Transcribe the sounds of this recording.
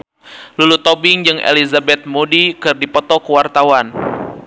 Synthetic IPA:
lulut̪obɪŋd͡ʒɨŋʔḛlizabɛt̪̚modikɨrdipɔt̪ɔkəwart̪awan

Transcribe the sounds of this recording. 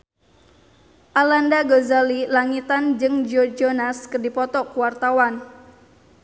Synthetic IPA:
ʔalandaɡozalilaŋit̪and͡ʒɨŋd͡ʒɔd͡ʒonaskɨrdipɔt̪ɔkuwart̪awan

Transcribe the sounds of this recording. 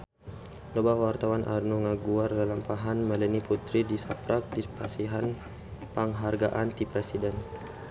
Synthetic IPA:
lɔbawart̪awanʔa̰rnuŋaɡuardalampaɦanmɛlɛniput̪ɾidisapɾak̚dispasiɦan | paŋɦarɡaʔant̪ipɾɛsidɛn

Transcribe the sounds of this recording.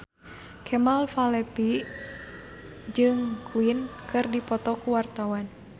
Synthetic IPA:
kʰɛmalfalɛpi | d͡ʒɨŋkʰuinkɨrdipɔt̪ɔkuwart̪awan

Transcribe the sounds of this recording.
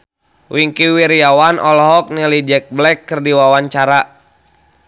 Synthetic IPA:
wiŋkiwiɾiawanɔlɔɦɔk̚nilid͡ʒɛk̚blɛkːɨrdiwawaɲt͡ʃaɾa

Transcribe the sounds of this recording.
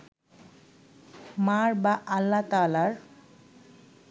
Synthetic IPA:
maɹbaʔalːat̪aːlaɾ

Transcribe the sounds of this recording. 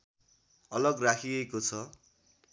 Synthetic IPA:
ʌlʌɡrakʰiʌkot͡sʰʌ

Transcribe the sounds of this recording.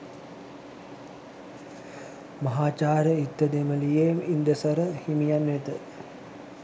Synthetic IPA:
mɐɦaːt͡ʃaːɾəit̪ːəd̪eməlijemind̪əsəɾəhimijanːɛt̪ə

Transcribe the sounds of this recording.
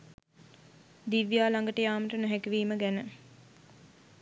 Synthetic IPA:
d̪iʋjaːlaŋɡəʈəjaːməʈənoɦækəʋiːməɡænə

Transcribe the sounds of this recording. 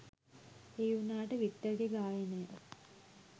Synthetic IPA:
eːjunaːʈəʋit̪ːəɡeɡaːjənəjə̰

